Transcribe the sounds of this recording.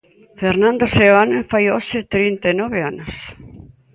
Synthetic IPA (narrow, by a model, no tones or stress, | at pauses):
feɾnãnd̪oseanẽfajoʃet̪ɾint̪enɔβeanos